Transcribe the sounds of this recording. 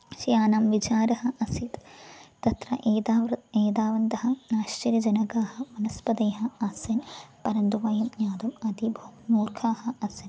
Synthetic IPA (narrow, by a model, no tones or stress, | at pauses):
ʃijaːnaːmʋit͡ʃaːɾɐhɐ̆ʔɐsit̪t̪ɐt̪ɾɐ̰ʔeːd̪aeːd̪aːʋɐnd̪ɐɦɐnaːʃt͡ʃɐɾɐd͡ʒɐnɐɡaːɦɐmɐnɐspɐd̪ɐjɦɐɐsɐnpɐɾɐnd̪uʋaːjɐmjaːd̪umɐd̪ibʱɐmnuːɾkʰaːhɐ̆ɐsɐn